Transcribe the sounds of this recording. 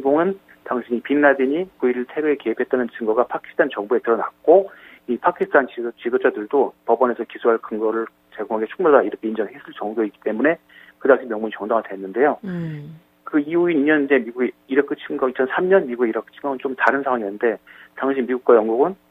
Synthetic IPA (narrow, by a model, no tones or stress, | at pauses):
ɡoŋɯn | taŋɕʰiɲipinːadiɲikuiɾiɭtʰe̞ɾoe̞keɦipʰet͈̚anɯnt͡ɕɯŋɡʌɡapʰakʰi̥sʰtʰant͡ɕʌŋbue̞tɯɾʌna̰k̚k͈o | ipʰakʰisʰtʰant͡ɕit͡ɕidod͡ʑadɯɭdopʌbʌne̞sʰʌkisʰuɦaɭkɯŋɡʌɾɯɭ | t͡ɕe̞ɡoŋɦaɡe̞t͡ɕʰu̥k̚madaiɾʌkʰe̞ind͡ʑʌŋɦesʰɯɭt͡ɕʌŋɡjoik͈i̥t͈emune̞ | kɯdaŋɕʰimjʌŋmuɲit͡ɕʌŋdaŋadwenːɯnde̞jo | kɯiuiniɲʌnind͡ʑe̞miɡuɡeiɾʌk͈ʰɯt͡ɕʰiŋɡʌit͡ɕʰʌnsʰamɲʌnmiɡuɡeiɾʌk͈ʰɯ̥t͡ɕʰiŋɡʌɯnt͡ɕomtaɾɯnsʰaŋwaŋinɯnde̞taŋɕʰimiɡuk͈wajʌŋɡuɡɯn